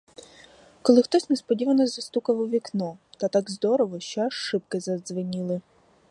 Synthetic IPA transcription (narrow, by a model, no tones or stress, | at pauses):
kɔlˠɪxt̪ɔsʲnɛspɔdʲiʋɐnɔzɐst̪ukɐʋʊʋʲiknɔt̪ɐt̪aɡzd̪ɔɾɔʋɔʃt͡ʃɔaʃːɪp̚kɪzɐzʋɪnʲilˠɪ